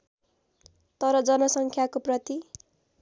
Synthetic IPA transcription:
t̪ʌɾʌd͡zʌnʌsʌŋkʰjakoprʌt̪i

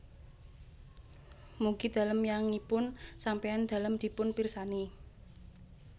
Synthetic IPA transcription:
muŋɡid̪̥a̤ləmjaŋipʊnsampeand̪̥ä̤ləmd̪̥i̤pʊnpirsani

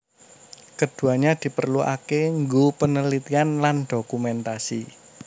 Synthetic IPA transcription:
kəd̪̥ṳaɲad̪̥i̤pərluʔa̰keŋɡopənəlit̪ianlanɖ̥okumɛnt̪asḭ

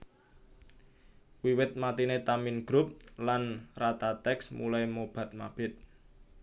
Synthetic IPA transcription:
wiwɪt̪̚mat̪inet̪aminɡ̥ɾup̚lanrat̪at̪ɛksmṵlajmob̥a̤t̪̚mab̥ɪt̪̚

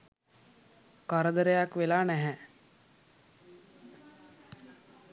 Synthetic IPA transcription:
kaɾəd̪əɾəjakʋelaːnɛɦɛ

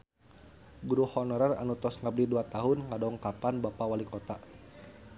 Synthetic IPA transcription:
ɡuɾuhɔnɔɾara̰nut̪ɔsŋab̚liduat̪aɦʊnŋadɔŋkapanbapawalikɔt̪a

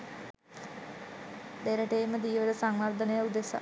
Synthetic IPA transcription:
d̪eɾəʈeːməd̪iːʋəɾəsaŋʋard̪ənəjəud̪esa̰

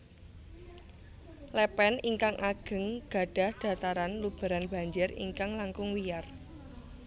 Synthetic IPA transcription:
lɛpɛniŋkaŋʔaɡ̥ə̤ŋɡ̥a̤ɖ̥a̤hɖ̥ä̤t̪aɾanlub̥a̤ɾanb̥a̤ɲd͡ʒɪrḭŋkaŋlaŋkʊŋwijar

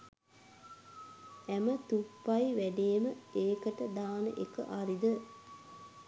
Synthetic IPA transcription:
æmət̪upːajʋæɖeːməeːkəʈəd̪aːnəʔekə̰ʔaɾid̪ə

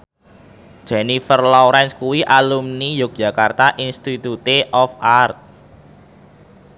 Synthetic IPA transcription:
d̥ʒ̥ɛnifərlɔɾɛnskuwiʔalumnijok̚ʒ̥ä̤kart̪aʔinst̪it̪ut̪eʔɔfʔart̪̚

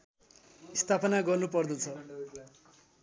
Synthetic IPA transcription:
ist̪ʰapʌnaɡʌrnup̬ʌrd̪ut͡sʰʌ

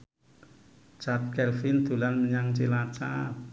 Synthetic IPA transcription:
t͡ʃat̪̚kɛlfind̪̥ṳlanməɲaŋt͡ʃilat͡ʃat̚

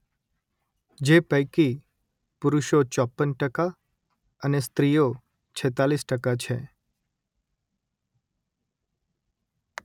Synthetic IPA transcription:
d͡ʒepəjki | pʊɾuʃot͡ʃɔpːənʈəka | ənest̪ɾijo | t͡ʃʰet̪alisʈəkat͡ʃʰe

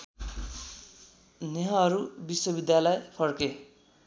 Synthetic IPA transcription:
neɦʌ̃ʌɾubiswʌbid̪jalʌjpʰʌɽke

